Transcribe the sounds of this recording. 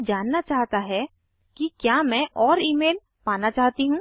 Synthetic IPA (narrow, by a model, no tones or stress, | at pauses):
d͡ʒaːnːat͡ʃaːɦt̪aɦɛ | kikjaːmɛ̃ʔɔːɾiːmeːl | paːnat͡ʃaːɦt̪iɦũ